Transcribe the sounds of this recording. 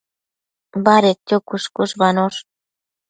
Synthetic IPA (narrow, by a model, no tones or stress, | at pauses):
βɑɾek̚t̪ʲokuʃkuʃβɑnoʃ